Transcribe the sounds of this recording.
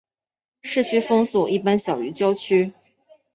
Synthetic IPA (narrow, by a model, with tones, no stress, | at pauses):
ʂɻ̩˥˩t͡ɕʰy˥fɤ˥ŋsɔ˨˩i˥˩pa˥nɕjɑ˨˩ʊy˧˥t͡ɕjɑ˥ʊt͡ɕʰy˥